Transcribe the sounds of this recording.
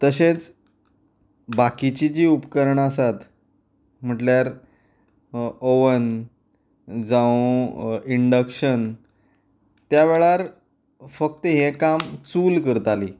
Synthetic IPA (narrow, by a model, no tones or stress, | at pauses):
t̪əɕẽt͡s | bakit͡ɕid͡ʑiːupkəɾəɳasat̪ | m̤əʈljaɾ | oʋən | d͡zãũ | iɳɖəkɕən | t̪ːjaʋeɭaɾ | fək̚t̪əɦɛ̃kamt͡suːlkəɾt̪aliː